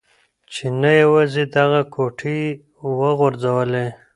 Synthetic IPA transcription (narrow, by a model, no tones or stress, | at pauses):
t͡ʃenajawazed̪aɣakʰoʈʰi | wəɣʊɾzawəle